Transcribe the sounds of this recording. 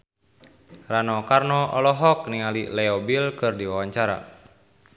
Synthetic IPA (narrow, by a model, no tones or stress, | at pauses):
ranɔkarnɔʔɔlɔɦɔk̚niŋalilɛɔbilkɨrdiwawaɲt͡ʃaɾa̰